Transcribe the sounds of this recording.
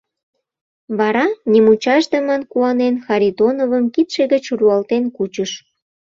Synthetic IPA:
βɑɾɑnʲimut͡ɕɑʒd̪ə̆mənkuɑnenxɑɾʲid̪onovəmkit̪ʃeɣət͡ɕruɑlt̪enkut͡ɕəʃ

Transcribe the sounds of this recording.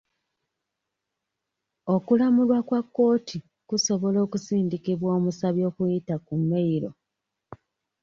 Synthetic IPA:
o̞kulamulwakwakːo̞ːtʰi | kuso̞βo̞lo̞ːkusiːndikiβwo̞ːmusaβjo̞ːkujitakumːeiɾo̞

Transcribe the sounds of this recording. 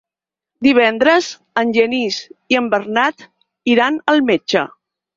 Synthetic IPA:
d̪iβ̞ɛnd̪ɾəz | ənʲʒəniziəmbərnat̪ | iɾanəlˠmet͡ʃə̰

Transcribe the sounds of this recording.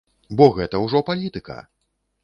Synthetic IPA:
bɔɣɛt̪ɐwʐɔpalʲit̪ɨkɐ̰

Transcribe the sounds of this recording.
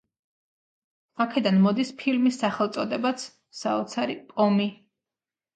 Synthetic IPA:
akʰɛd̪anmɔd̪ispʰilmisːaχɛlˠt̪sʼɔd̪ɛbat̪sʰ | saɔt̪sʰaɾipʼɔmi

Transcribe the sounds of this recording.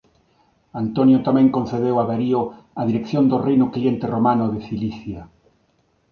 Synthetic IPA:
ant̪onjot̪amɛ̃ŋkõnθeðewaβeɾio | aðiɾekθjond̪orejnʊklient̪eromanoðeθiliθja

